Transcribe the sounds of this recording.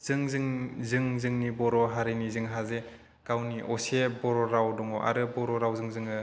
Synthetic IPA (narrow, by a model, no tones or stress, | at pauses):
z̥ɯŋzɯŋzɯŋzɯŋnibɔɾɔɦaɾinizɯŋɦaze | kawniʔɔsebɔɾɔɾawdɔŋɔʔa̰ɾɯbɔɾɔɾawzɯŋzɯŋɯ